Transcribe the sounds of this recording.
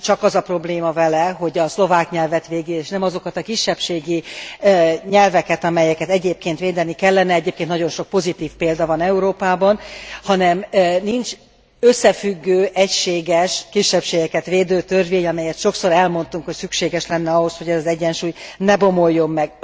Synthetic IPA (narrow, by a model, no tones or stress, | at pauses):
t͡ʃɒkɒzɒpro̞bleːmɒvɛlɛɦo̞ɟɒslo̞vaːkɲɛlvɛt̪ʋeːɡileːʃnɛmɒzo̞kɒt̪ɒkiʃːɛpʃeːɡi | ɲɛlvɛkɛt̪ɒmɛjɛkɛt̪ɛɟeːp̚keːnt̪ʋeːd̪ɛnikɛlːɛnɛɛɟeːpkeːnnɒɟo̞nʃo̞k̚po̞zit̪iːfpeːld̪ɒvɒnɛuɾoːpaːbɒnhɒnɛmnint͡ʃ | øsːɛfyɡːøːʔɛcʃeːɡɛʃkiʃːɛpʃeːɡɛkɛt̪ʋeːd̪øːt̪ørveːɲɒmɛjɛt̪ʃo̞kso̞ɾɛlmo̞nt̪uŋkhocsykʃeːɡɛʃlɛnːɛɒɦo̞sho̞ɟɛzɒzɛɟːɛnʃuːjnɛbo̞mo̞jːo̞mːɛɡ